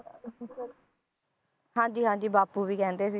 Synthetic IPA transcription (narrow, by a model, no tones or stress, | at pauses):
ɦãːɲd͡ʒiːɦãːɲd͡ʒiːbaːpuːʋiːkɛːnd̪eːs̬i